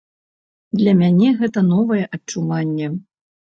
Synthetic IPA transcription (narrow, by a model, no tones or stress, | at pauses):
d̪lʲɐmʲanʲɛɣɛt̪ɐnɔvɐjɛʔɐt͡ʂːuvanʲːɛ